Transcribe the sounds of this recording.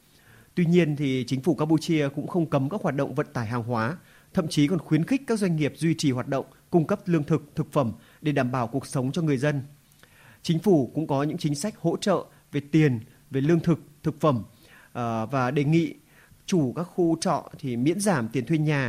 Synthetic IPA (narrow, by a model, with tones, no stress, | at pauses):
t̪wi˧ɲi˧ənt̪ʰi˨˩t͡ɕï˨˦ŋ̟fu˧˩kaː˧pu˧t͡ɕi˧əkʊ̰˧˥ŋ͡mxə˧wŋ͡mkə˨˦mkaː˦˥k̚waː˨˩t̚ɗə̰˧˨wŋ͡mvə̰˧˨n̚t̪aː˧˩jɦaː˨˩ŋɦwaː˨˦ | t̪ʰə̰˧˨mt͡ɕi˨˦kɔ˨˩nxwi˨˦ənxi˦˥k̟̚kaː˦˥k̚zwa˧ŋ̟ŋi˨˩əp̚zwi˧t͡ɕi˨˩ɦwaː˨˩t̚ɗə̰˧˨wŋ͡mkʊ˧ŋ͡mkə˦˥p̚lɨ˧əŋt̪ʰɨ˨˩k̚t̪ʰɨ˨˩k̚fə˧˩m | ɗe˧˩ɗaː˧˩mɓaː˧˩wku˨˩ək̚sə˨˦wŋ͡mt͡ɕɔ˧ŋɨ˨˩əjzə˧n | t͡ɕï˨˦ŋ̟fu˧˩kʊ̰˧˥ŋ͡mkɔ˨˦ɲɨ̰˧˥ŋt͡ɕï˨˦ŋ̟sa˦˥jk̟̚ho̰˧˥t͡ɕə̰ː˧˨ | ve˨˩t̪i˨˩ən | ve˨˩lɨ˧əŋt̪ʰɨ˨˩k̚t̪ʰɨ˨˩k̚fə˧˩m | vaː˨˩ɗe˨˩ŋḭ˧˨ | t͡ɕu˧˩kaː˦˥k̚xu˧t͡ɕɔ̰˧˨t̪ʰi˨˩mḭ˧˥ənzaː˧˩mt̪i˨˩ənt̪ʰwi˧ənɲaː˨˩